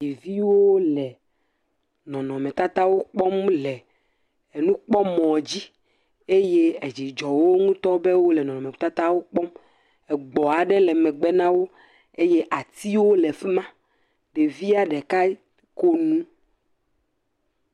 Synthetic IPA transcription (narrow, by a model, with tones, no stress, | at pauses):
i˨vi˦wo˦lɛ˨ | nɔ̃˨nɔ̃˨mɛ̃˨t̪a˦t̪a˦wo˦k͡pɔ˦mlɛ˨ | nũ˦k͡pɔ˦mɔ̃˨d͡ʑi˦ | e˦je˦e˨d͡ʑi˨d͡ʒɔ˨wo˦ŋũ˦t̪ɔ˦be˦wo˦lɛ˨nɔ̃˨nɔ̃˨mɛ̃˨t̪a˦t̪a˦wo˦k͡pɔ˦m | ɛ˨ɡ͡bɔ˨a˨ɖɛ˦lɛ˨mɛ̃˨ɡ͡bɛ˦nã˦wo˦ | e˦je˦ʔa˨t̪i˦wo˦lɛ˨fɛ˦mã˦ | ɖe˨vi˦a˨ɖɛ˨ka˦ | ko˦nũ˦